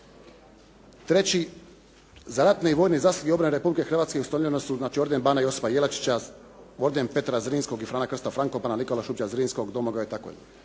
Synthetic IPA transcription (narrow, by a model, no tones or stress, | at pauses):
t̪ɾe̞t͡ɕi | zaɾat̪neiʋo̞ːjnizaːsuɡio̞bɾaneɾe̞publike̞xr̩ʋaːt̪skeusanomʲʎenosuznaːt͡ʃio̞ɾd̪enbaːnajosi̥pajelat͡ʃi̥t͡ɕa | oɾd̪enpe̞t̪ɾazɾiːnsko̞ɡifɾaːnakr̩st̪afɾaŋkopananiko̞laʃupt͡ɕazɾiːnsko̞ɡd̪omoɡait̪ako̰